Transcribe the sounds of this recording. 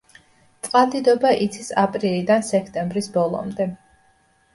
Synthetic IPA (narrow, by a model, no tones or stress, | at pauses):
t̪sʼqʼalˠd̪id̪ɔbaʔit̪sʰisapʼɾilid̪ansɛkʰt̪ʼɛmbɾisbɔlˠɔ̰md̪ɛ